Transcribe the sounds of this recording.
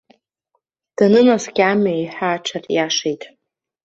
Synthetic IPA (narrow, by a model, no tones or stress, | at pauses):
d̥anɨnasɡʲamajħaːʈ͡ʂʷʰarʼjaʂejtʼ